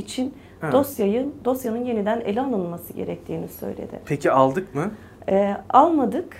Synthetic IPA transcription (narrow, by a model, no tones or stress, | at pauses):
it͡ʃʰin | d̪ost̪jajɯnd̪o̞sjanɯnje̞nid̪ænḛlʲɛalˠɯnmasɯɟe̞̰ɾɛc̚t̪ʰiːnisø̞̰jlʲḛd̪ɪ̰pʰecʰialˠd̪ɯkmɯ | ɛalˠmad̪ɯk